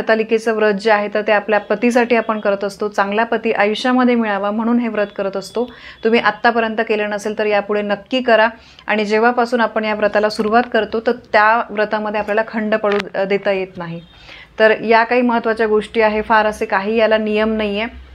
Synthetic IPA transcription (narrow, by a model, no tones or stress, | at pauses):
t̪aliket͡səʋɾəd͡ʑəaɦet̪əɾt̪eapljapət̪is̬aʈiːapəɳkəɾət̪əst̪ot͡sãŋɡljapət̪iːʔəjɕaməd̪ʱːjemiɭaʋam̤əɽ̃uːnɦeʋɾət̪kəɾət̪əst̪ot̪um̤iːʔat̪ːapəɾjənt̪əkelənəselt̪əɾjapuɽ̤enəkːiːkəɾa | a̰ɽ̃id͡ʑeʋ̤apasuːnapəɳjaʋɾət̪alasuɾuʋat̪kəɾt̪ot̪əɾt̪jaʋɾət̪aməd̪ʱːjeapljalakʰəɳɖpəɽud̪et̪ajet̪naɦi | t̪əɾjakaɦiːməɦət̪ːʋat͡ɕjaɡoʂʈiːaɦefaɾəsekaɦiːjalanijəmnajje